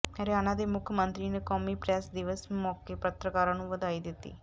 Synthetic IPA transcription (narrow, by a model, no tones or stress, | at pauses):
əɾjaːnãːd̪eːmʊkʰjəmə̃nt̪ɾiːneːkɔːmiːpɾaːsd̪ɪʋəsmɔːkeːpət̪ɾəkaːɾãːnũːʋəd̪aːiːd̪ɪt̪ːḭː